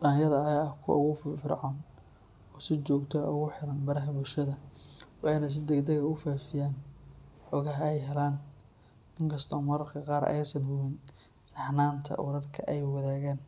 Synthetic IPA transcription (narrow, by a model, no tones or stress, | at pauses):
ɖɐnjɐðɐjakʰʊ̰ʊ̰ɣʊffɪrʕɔːn | ɔːsɪt͡ʃɔːɡt̪ʰɔʊ̰ɣʊħɪɾɐnbɐɾɐɦɐbʊlʃɐðɐwɑħɑjnɐs̬ɪd̪ɛɡd̪ɐɣɐʊfaːfɪjaːnħɔːɣɐɦɐɛjɦɛlaːn | ɪŋkʰɐst̪ʰɔmɐɾkʰɐqɑːɾɛ̰jsɐnhʊwɪn | sɐħnaːnt̪ʰɐ̰wʊɾɐrkʰɐ̰ʔɛjwɑðaːɣaːn